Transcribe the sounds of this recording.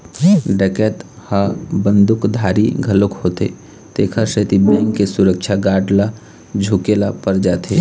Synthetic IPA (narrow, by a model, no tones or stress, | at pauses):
ɖɛkɛt̪habə̃nd̪ʊkd̪ʱaːɾiɡʱəlʊkhot̪ḛ | t̪eːkʰəset̪ibẽŋɡkːesʊɾək̚ʃʰaɡaːɖla | d͡ʒʱʊkelapəɾd͡ʒat̪ʰḛː